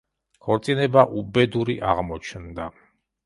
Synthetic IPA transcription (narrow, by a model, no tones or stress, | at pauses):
kʰɔɾt̪sʼinɛbaʔubɛd̪uɾiʔaʁmɔt͡ʃʰnd̪a